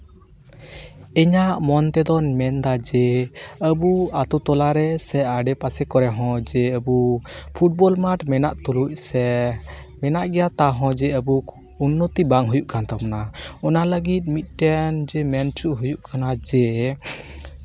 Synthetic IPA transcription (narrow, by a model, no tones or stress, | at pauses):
ɛɲaʔmɔnt̪ɛd̪ɔnmɛnd̪ad͡ʒɛəbuat̪ut̪ɔlaɾɛsɛaɖɛpasɛkɔɾɛɦɔ̃d͡ʒɛəbupʰuʈ̚bɔlmaʈmɛnaʔt̪ɔluc̚ˀsɛ | mɛnaʔɡɛjat̪aɦɔ̃d͡ʒɛəbuk | unːot̪ibaŋɦujuʔkant̪apmanaɔnaləɡit̪̚mit̪̚ˀʈɛnd͡ʒɛmɛnt͡ʃuʔɦujuʔkʰanad͡ʒɛ